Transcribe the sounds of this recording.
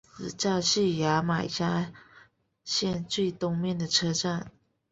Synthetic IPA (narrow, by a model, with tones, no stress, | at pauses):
t͡sɹ̩˨˩t͡ɕɑ˥˧ʊɕy˥˩ja˧˥ma˨˩ɪɕja˥ | ɕjɛ˥˧nt͡swe˥˩ɪt̪ʊ˥ŋmjɛ˥˩nd̪ə˩ʈ͡ʂʰɤ˥ʈ͡ʂa˥˩n